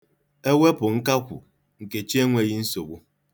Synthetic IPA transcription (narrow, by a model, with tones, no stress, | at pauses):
e˦wʷe˦pʊ˨ŋ̩˦ka˦kʷṵ˨ | ŋ̩˨ke˨t͡ʃi˦e˦ŋʷe˦ɣi˦n̩˦so˨ɡ͡bu˦